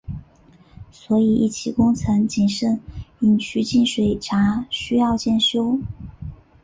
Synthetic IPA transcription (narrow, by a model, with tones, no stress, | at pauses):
swɔ˧˥i˨˩ḭ˥˩t͡ɕʰi˧˥kʊ˥ŋt͡sʰə˧˥nt͡ɕi˨˩nʂə˥˩ni˨˩nt͡ɕʰy˧˥t͡ɕi˥˩nʂwe˨˩ɪʈ͡ʂʰa˧˥ɕy˥jɑ˥˧ʊt͡ɕjɛ˥˩nɕjo˥ʊ